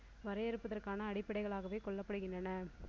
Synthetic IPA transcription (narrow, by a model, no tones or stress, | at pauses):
ʋɐɾɐjɪɾɯpːɐðɐrkaːnɐːɽɪpːɐɽɐɪɣɐɭaːɣɐʋeːkɔɭːɐpːɐɽɯɣɪndrɐnɐ